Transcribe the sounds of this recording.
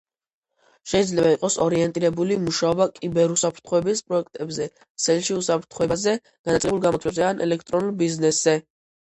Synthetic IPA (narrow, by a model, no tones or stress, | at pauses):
ʃɛid̪zlɛbaiqʼɔsɔɾiɛnt̪ʼiɾɛbulimuʃaɔbakʼibɛɾusapʰɾt̪ʰχɔɛbispʼɾɔɛkʰt̪ʼɛbzɛ | t̪sʰɛlʃiusapʰɾt̪ʰχɔɛbazɛ | ɡ̥anat̪sʼɛbulˠɡamɔt̪ʰwɛbzɛanʔɛ̰lɛk̚ʰt̪ʼɾɔnulˠbiznɛszɛ